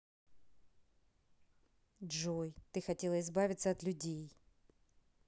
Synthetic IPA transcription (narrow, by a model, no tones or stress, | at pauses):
ʐojt̪ɨxɐtʲe̞lˠəɪzbavʲɪt̪səɐt̪lʲʉdʲej